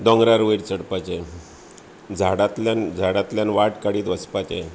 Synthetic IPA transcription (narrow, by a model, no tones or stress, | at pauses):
d̪ɔŋɡɾaɾʋiɾt͡səɽpat͡ɕe | d͡zʱaɽat̪land͡zʱaɽat̪ljanʋaʈkaɽiːt̪ʋəspat͡ɕḛ